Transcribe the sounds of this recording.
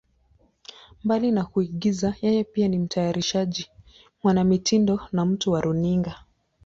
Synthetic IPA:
mbalinakuiɠizajɛjɛpianim̩tʰajaɾiʃaʄi | mwanamitindɔnam̩tuwaɾʔuniŋɡa

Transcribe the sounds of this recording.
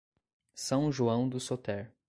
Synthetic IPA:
sɐ̃w̃ʒuɐ̃w̃d̪ʊsot̪ɛɾ

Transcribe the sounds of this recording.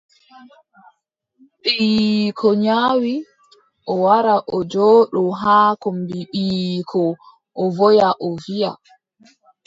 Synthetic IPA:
ɓikʰɔɲaːwi | ʔɔwaɾaʔɔd͡ʒɔːɗɔɦaːkɔmbiɓiːkʰɔ | ʔɔvɔjaʔɔvija̰

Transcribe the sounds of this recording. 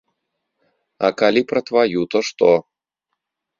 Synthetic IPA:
ɐ̰kalʲipɾɐt̪vajut̪ɔʂt̪ɔ

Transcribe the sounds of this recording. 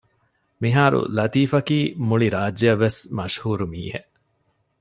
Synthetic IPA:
miɦaːɾṵlɐt̪iːfɐkiːmuɭiɾaːd͡ʒɐʋːesmɐʃhuːɾumḭːheʔ

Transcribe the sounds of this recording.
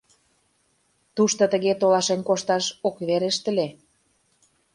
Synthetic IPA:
t̪uʃt̪ŏt̪ə̆ɣet̪olɑʃenʲkoʃt̪ɑʃokβeɾeʃt̪ə̆le

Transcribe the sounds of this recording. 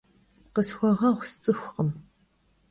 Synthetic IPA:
qəsxʷɔʁɐʁʷst͡sʼɨxʷqəm

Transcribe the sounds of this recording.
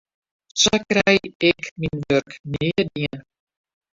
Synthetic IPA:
sɔkrɛjɛkminʋørknɪədiən

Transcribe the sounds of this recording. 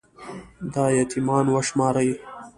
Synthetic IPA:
d̪ɑːjat̪ʰimɑːnwaʃmɑːɾai

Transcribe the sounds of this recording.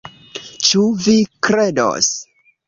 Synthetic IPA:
t͡ʃuvikɾedo̰s

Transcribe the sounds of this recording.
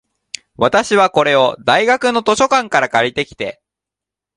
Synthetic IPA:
βat̪aɕiβ̞ako̞ɾe̞o̞d̪aiɡakɯ̟no̞t̪o̞ɕo̞kãŋkaɾakaɾʲit̪e̞kʲi̥t̪e̞

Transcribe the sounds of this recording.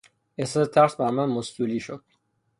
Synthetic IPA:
eset̪ʰːæɾsbæɾmænmost̪uliːʃod̪̥̚

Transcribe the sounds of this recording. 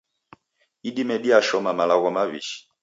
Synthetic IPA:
iɗimɛɗiaʃɔmamalaɣɔmaβḭʃi̥

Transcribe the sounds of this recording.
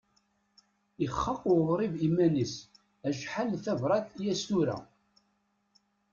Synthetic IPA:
iχːɑqwðˤɾˤivimænis | æʒħalθævɾˤɑθjæst̪uɾæ̰

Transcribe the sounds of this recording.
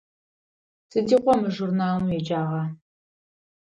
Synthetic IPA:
sɨdiːqʷɔmɨʒurnaːlmujɛd͡ʒaːʁɐ

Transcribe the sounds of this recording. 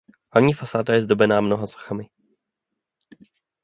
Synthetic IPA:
ɦlavɲiːfasaːdajɛzdobɛnaːmnoɦaso̥xamɪ

